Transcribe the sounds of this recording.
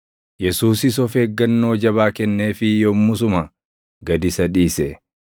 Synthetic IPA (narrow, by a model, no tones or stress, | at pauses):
jɛsuːsɪs̬ɔfeːɡːɐnːo̞ːd͡ʒɐβaːkɛnːeːfɪjɔmːʊsʊmɐ | ɡɐd̪ɪsɐᶑiːsɛ